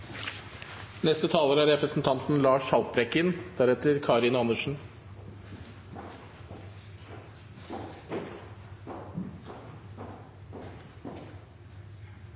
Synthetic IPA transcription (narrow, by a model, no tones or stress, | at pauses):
nɛst̪ət̪ʰɑːləɾæɾɛpɾəsn̩t̪ʰɑnt̪n̩lɑːʂɑlt̚bɾɛkɪnd̪̥æɾɛt̪əɾkʰɑːɾɪnɑnəʂn̩